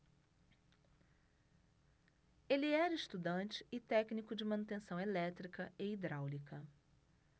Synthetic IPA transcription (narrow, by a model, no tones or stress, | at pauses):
elɪɛɾɐɪst̪ud̪ɐ̃nt͡ʃɪ̥ɪt̪ɛknikʊd͡ʒɪmɐ̃nut̪ẽsɐ̃w̃elɛt̪ɾikɐeid̪ɾawlikɐ